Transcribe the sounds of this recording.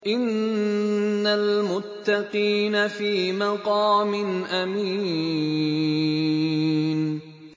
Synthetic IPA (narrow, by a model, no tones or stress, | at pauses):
ʔɪnː | almʊt̪ːɑqiːnafiːmɑqɑːmɪnʔamiː | n